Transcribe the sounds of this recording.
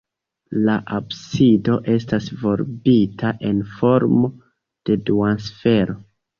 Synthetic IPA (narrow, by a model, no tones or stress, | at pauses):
laʔabsido̞ʔe̞stasvo̞ɾbitʰaʔe̞nfo̞ɾmo̞ | d̥e̞duansfe̞ɾo̞